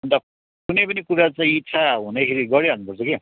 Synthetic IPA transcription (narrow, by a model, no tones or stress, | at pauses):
ʌnt̪a | kunʌjpʌnikuɾat͡saĩt͡sʰaɦunekʰeɾiɡʌɾiɦʌnupʌrt͡sʰʌke